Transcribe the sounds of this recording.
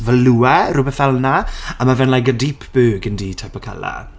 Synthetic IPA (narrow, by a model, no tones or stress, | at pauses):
vəluɛɾʊbɛθvɛlˠnaamavɛnlajkədipʰb̥øːɡəndiːtʰapɔkʰa̰la̰